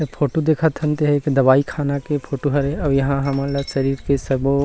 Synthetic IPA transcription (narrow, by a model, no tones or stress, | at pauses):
pʰoːʈod̪eːkʰət̪ʰɐnt̪eɦɛkid̪ɐbaːikʰaːnakepʰoːʈoɦɐɾɛ̃ɐbjɐɦãɦɐmãlaʃɐɾiːɾkesɐbo